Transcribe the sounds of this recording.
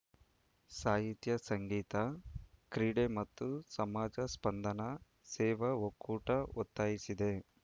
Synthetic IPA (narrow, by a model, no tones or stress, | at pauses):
saːɦit̪jɐsɐŋɡiːt̪ɐkɾiːɽemɐt̪ːusɐmaːd͡ʒɐspɐnd̪ɐnɐ | sɛːʋɐokːuːʈɐot̪ːaːjisid̪e̞